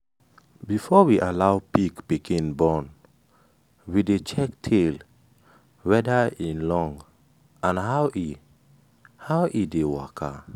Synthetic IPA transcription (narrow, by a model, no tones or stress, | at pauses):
bifɔwiʔalawpikpikʰĩnbɔn | widet͡ʃɛktʰel | wɛdaĩnlɔ̃ŋ | ãnhawʔi | hawʔidewakʰa̰